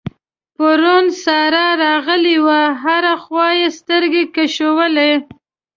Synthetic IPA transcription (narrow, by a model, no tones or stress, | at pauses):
pəɾunsɑɾaɾɑɣəliwaɦaɾaxwɑjest̪əɾɡekaʃowəle